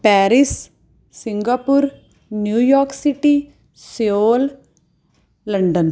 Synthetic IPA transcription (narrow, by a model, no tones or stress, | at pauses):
pɛːɾɪs | sɪ̃ŋɡaːpuɾ | njuːjɔːɾksiʈi | seoːl | ɐɳɖən